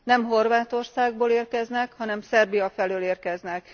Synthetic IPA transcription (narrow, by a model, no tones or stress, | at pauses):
nɛmɦo̞rʋaːt̪o̞rsaːɡ̚boːleːrkɛznɛkhɒnɛmsɛrbijɒfɛløːleːrkɛznɛk